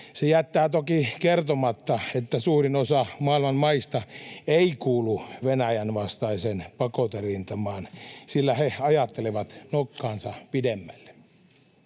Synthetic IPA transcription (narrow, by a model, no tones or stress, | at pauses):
sejæt̪ːæːt̪okikert̪omɑt̪ːɑet̪ːæsuːrinosɑmɑˑilmɑnmɑist̪ɑeikuːluʋenæjænʋɑst̪ɑisenpɑkot̪erint̪ɑmɑːnsilːæheɑjɑt̪ːeleʋɑt̪nokːɑːnsɑpidemːælːe̥